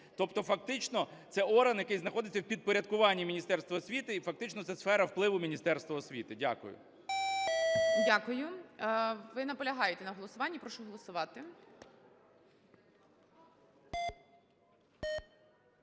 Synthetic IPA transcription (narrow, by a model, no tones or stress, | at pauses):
t̪ɔpt̪ɔfɐk̚t̪ɪt͡ʃnɔt̪sɛɔɾɐnjɐkɪjznɐxɔd̪ɪt͡sʲːɐwpʲid̪̚pɔɾʲɐd̪̚kʊʋɑnʲːimʲinʲist̪ɛrst̪ʋɐɔsʲʋʲit̪ɪifɐk̚t̪ɪt͡ʃnɔt̪sɛsfɛɾɐwplˠɪʋʊmʲinʲist̪ɛrst̪ʋɐɔsʲʋʲit̪ɪdʲa̰kʊ̰jʊ̰ | dʲakʊjʊ | ʋɪnɐpɔlʲɐɦɑjet̪ɛnɐɦɔlˠɔsʊʋɑnʲːipɾɔʃuɦɔlˠɔsʊʋɑt̪ɪ